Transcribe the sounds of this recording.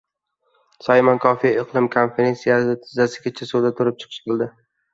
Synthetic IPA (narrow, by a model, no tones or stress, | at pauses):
sɒjmankʰɒfijaɪqlˠɪmkʰonfeɾe̞nsijasɪt̪ʰɪzasɪɡʲat͡ʃʰasod̪at̪ʰʊɾɪp̚t͡ʃʰɨ̥qʰɨ̥ʃqɨlˠd̪ɪ